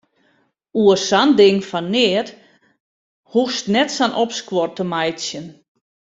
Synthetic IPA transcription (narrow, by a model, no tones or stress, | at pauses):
uəsandɪŋfanːɪət | hustnɛtsanʔopskwɔrtəmajtsjən